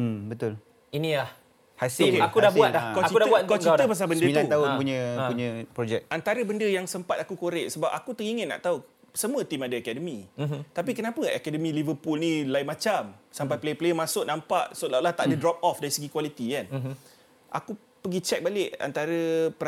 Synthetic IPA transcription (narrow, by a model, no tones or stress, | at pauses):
bət̪ʊl | inilah | hasokeakudabuatlakawkt͡ʃitdabuakat͡ʃ̪əpas̬albəndəilt̪aut̪aʊməpuɲə̃puɲə̃pɾod͡ʒɛk̚ant̪aɾəbəndəjaŋsəmpat̪akukoɾɪʔsəbapakut̪əkiŋənna̰ʔt̪au | səmũət̪imadəakɛdəmĩt̪apikənapəʔɛkɛdəmĩlivəpulnilaɪmat͡ʃamsampajpleplejəmãsʊʔ̚nãmpaʔsolaʔlaht̪aʔadədɾɔp̚ɔfdaɾisəɡikwalit̪ikan | ʔa̰ku | pəɡit͡ʃɛk̚balɪʔa̰nt̪aɾəpə